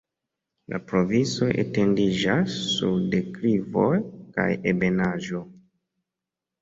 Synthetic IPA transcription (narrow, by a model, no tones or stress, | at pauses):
la̰pɾo̞viso̞ʔḛte̞ndid͡ʒasːṵdekɾivo̞jka̰jebe̞naʒo̞